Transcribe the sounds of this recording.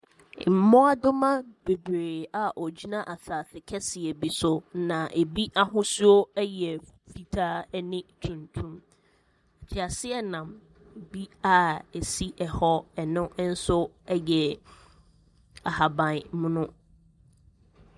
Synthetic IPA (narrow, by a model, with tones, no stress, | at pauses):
m̩˨˦mɔ̃˦a˦dʊ˦mã˦b̥e˨bɾeː˨a˨ʔɔ˨d͡ʑi˦nã˦ʔa˨saː˨θɪ˨kʰɛ˦sɪ˨ɛ˨bi˨sʊ˨˦nã˨ʔe˨bi˦ʔa˦ɦʊ̃˦su˦o˦ɛ˦jɛ˨fi˨tʰaː˦ɛ˦nɪ̃˦tʰũ˨ntʰũ˦m | a˨t͡ɕʰɪ˨a˨sɪ˦ɛ˦nã˨m˨ | bi˦a˦e˨si˦ʔɛ˨hɔ˦ɛ˨nʊ̃˦n̩˦sʊ˦ | ɛ˦jɛ˨ | a˨ha˨bã˨n˨mʊ̃˦nʊ̃˦